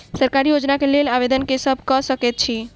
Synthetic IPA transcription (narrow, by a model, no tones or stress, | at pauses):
səɾkaɾijod͡ʒnakelelabed̪ənkesəbʱkɔsəket̪̚t͡ʃʰi